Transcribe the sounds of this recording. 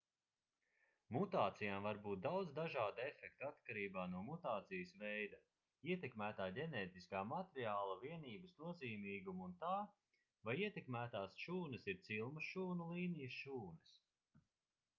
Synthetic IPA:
mut̪aːt̪sijaːmvaɾbuːt̪̚d̪awd̪zd̪aʒaːd̪uɛfɛk̚t̪at̪kaɾiːbaːnuɔmut̪aːt̪sijəsvɛjd̪ɐ | iɛt̪ɛkmæːt̪aːɟɛnɛːt̪iskaːmat̪ɾiaːlˠɐviɛniːbɐsnuɔziːmiːɡumunt̪aː | vajiɛt̪ɛkmæːt̪aːsʃuːnɐsiɾt̪silˠmɐʃuːnulˠiːnijəsʃuːnɐs

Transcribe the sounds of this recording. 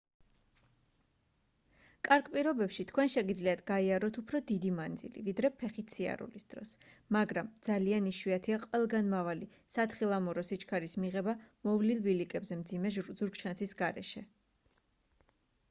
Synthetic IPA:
kʼaɾkpʼiɾɔbɛpʃit̪ʰkʰwɛnʃɛɡid̪zliat̪ʰɡaiaɾɔt̪ʰupʰɾɔd̪id̪imand̪zḭlḭvid̪ɾɛpʰɛχit̪sʰia̰ɾṵlisd̪̥ɾɔ̰smaɡɾamd̪z̥alianiʃwiat̪ʰiaqʼwɛlˠɡanmavali | sat̪χilˠamɔɾɔsit͡ʃʰkʰaɾismiʁɛbamɔvlilˠbilikʼɛbzɛmd̪zimɛzuɾkʃʰansʰisɡaɾɛ̰ʃɛ

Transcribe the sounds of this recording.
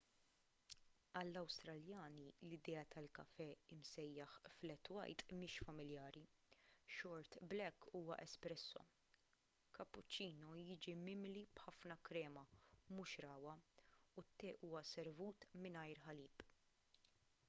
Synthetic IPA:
ɐlːɐwst̪ɾɐljɐːnilɪd̪ɛːɐt̪ʰɐlkɐfɛɪmsɛjːɐħflɛt̪ːwɐ̰jt̪mɪːʃfɐmɪljɐːɾiʃɔɾt̪blɛkːuːwɐ̰ʔɛspɾɛsːɔ̰ | kɐpːʊt͡ʃːiːnɔjɪːd͡ʒimɪmlib̥ħɐfnɐkɾɛːmɐmuʃɾɐːwɐut̪ːɛːʔuːwɐsɛɾvuːt̪mɪnɐjɾħɐliːp

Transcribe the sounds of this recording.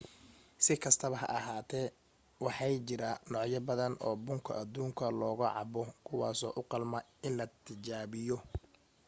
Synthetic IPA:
sɪkʰɐst̪ʰɐβɐɦɐ̰ʔɐɦaːt̪ʰɛː | wɑħɑjt͡ʃɪɾanɔʕjɐbɐðɐnʔɔːbʊŋkʰɐ̰ʔɐd̪uːŋkʰɐlɔːɣɐʕɑ̰bɔkʰʊwɑ̰ːsɔːʔʊqɑlmɐɪnlɐt̪ʰɪt͡ʃaːβɪjɔ

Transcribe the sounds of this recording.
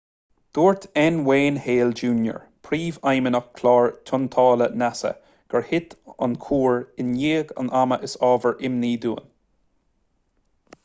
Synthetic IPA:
d̪̥oːɹt̪ʰɛnweːnheːld͡ʒuːnjə̰ɹ | pʰɾiːvajmənəxkʰlɑːɹt̪ʰʊnt̪ʰɑːlənasə̰ | ɡ̥əɹhɪt̪a̰nkʰuːɹɪnjeːɡa̰nʔaməʔɪsɑːvəɹʔɪmniːd̪uːən

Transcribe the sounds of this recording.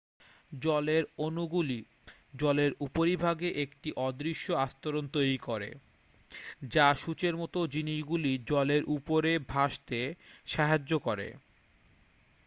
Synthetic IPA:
ɔleɾonuɡuli | d͡ʑɔleɾupoɾibʱaɡeʔekʈiʔɔd̪ɾiʃːoast̪oɾont̪ojɾikoɾḛ | d͡ʑaʃut͡ɕeɾmɔt̪od͡ʑiniʃɡulid͡ʑɔleɾʔupoɾebʱaʃt̪eʃaɦad͡ʑokoɾḛ

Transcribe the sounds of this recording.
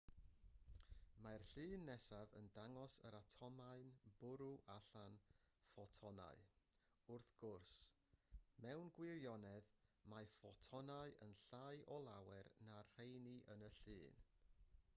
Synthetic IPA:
marɬɨːnːɛsavə̰ndaŋɔsə̰ɾatʰɔmaɨnb̥ʊɾuʔaɬanfɔtʰɔna̰ɨ | ʊrθɡ̥ʊrs | mɛwnɡwɪɾjɔnɛðmafɔtʰɔnaɨʔənɬajʔɔlˠawɛrnar̥ejniʔənəɬɨːn

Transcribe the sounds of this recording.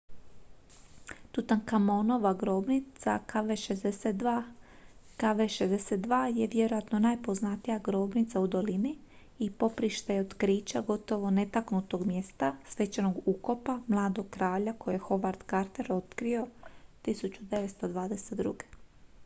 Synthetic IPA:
t̪ut̪ankamo̞no̞ʋaɡɾobnit̪sa̰kaʋeʃezd̪eset̪a | kaʋeʃezd̪eset̪d̪ʋaːje̞ʋje̞ɾo̞jat̪no̞naːjpo̞znat̪ijaɡɾo̞ːbnit̪saud̪o̞liniː | po̞pɾiʃt̪ajeod̪kɾiːt͡ʃaɡo̞t̪o̞ʋo̞ne̞t̪aknut̪o̞ɡmje̞st̪asʋe̞t͡ɕano̞ɡuko̞pamlˠaːd̪o̞ɡ̚kɾaːʎako̞jexo̞ʋaɾd̪kaɾt̪eɾo̞t̪kɾio̞t̪isut͡ɕud̪e̞ʋet̪st̪o̞d̪ʋaːd̪e̞set̪d̪ɾṵɡe̥

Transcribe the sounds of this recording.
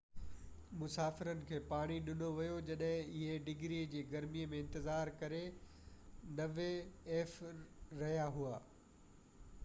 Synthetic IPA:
mʊsaːfɪɾənɪ̆kʰeːpaːɽ̃iɗɪn̤oʋijod͡ʑɐɗɦɪ̃ɪɦeɖɪɡɾid͡ʑiːɡɐɾmiəmẽɪ̃nt̪ɪzaːɾkɐɾe | nɐʋeɛːfɾɐɦijaɦuaː

